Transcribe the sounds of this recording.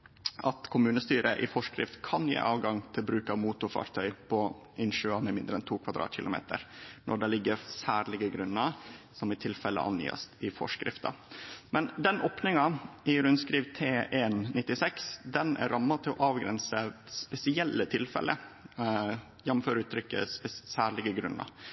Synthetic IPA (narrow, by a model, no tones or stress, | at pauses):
ɑt̪kʰʊmʉːnəst̪yːɾəʔɪfɔʂkɾɪ̰ft̪kʰɑnjḛːʔɑːʋɡɑŋt̪ʰɪlbɾʉːkɑʋmuːt̪ʊɾfɑ̰ːɾt̪ʰœʏpʰɔ | ʔɪnʃʉːɑmɛmɪnd̪ɾəɛnt̪ʰuːkʰʋɑd̪ɾɑ̰ːt̪ʰçɪlʊmḛːt̪ʰə̰ɾnʔɔ̰ɖɛlɪɡːəɾsæːɾɭɪɡəɡɾʉnːəsɔmɪt̪ʰɪlfɛlə̰ʔɑ̰njḭːɑ̰st̪ɪfɔ̰ʂkɾɪft̪ɑ̰mɛnd̪ɛnoːpnɪŋɑɪɾʉnskɾiːʋt̪ʰeːʔennɪt̪ːɪsɛksd̪ɛnæ̰ɾɾɑmːɑt̪ʰɪlɔʔɑːʋɡɾɛ̰nsəspɛsɪɛlːət̪ʰɪlfɛ̰lə | jɛnmːm̩føːɾʉːt̪ʰɾʏkːə̰pɛsæːɭɪɡəɡɾʉnːɑ̰